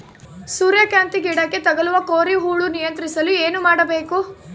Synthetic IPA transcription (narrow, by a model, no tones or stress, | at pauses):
suːɾjɐkjaːnt̪iɡiːɽɐkːe̞t̪ɐɡɐluʋɐkoːɾiɦuːɭunijɐnt̪ɾisɐlueːnumaːɽɐbe̞ːku